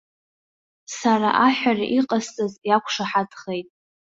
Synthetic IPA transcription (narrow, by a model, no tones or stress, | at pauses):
saɾa̰ʔaħʷᶣaraʔiqʼast͡sʼazjakʷʰʂaħadχe̞jtʼ